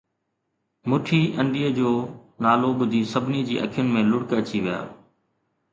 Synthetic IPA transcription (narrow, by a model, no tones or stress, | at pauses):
mʊʈʰiːʔə̃ɳɖiːəd͡ʑoːnaːloɓʊd̪ʱiːsəbʱnid͡ʑḭːʔə̰kʰɪjʊnmẽːlʊɽkət͡ɕiʋɪja̰ː